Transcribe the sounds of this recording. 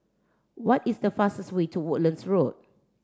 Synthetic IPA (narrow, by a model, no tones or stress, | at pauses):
wɔtisdəfastəstwetʰuwʊʔlə̃nsɹot̚